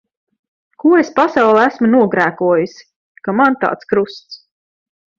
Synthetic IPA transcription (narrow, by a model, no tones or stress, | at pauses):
kuɔespasɑwlˠɛæsmunuɔɡɾæːkuɔjis | kamant̪ɑ̰ːt̪skɾust̪s